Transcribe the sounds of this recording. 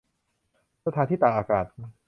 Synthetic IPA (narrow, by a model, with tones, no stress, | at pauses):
sa˧t̪ʰaː˧nt̪ʰiː˥˩t̪aː˨˩ʔaː˧˩kaː˨˩t̪̚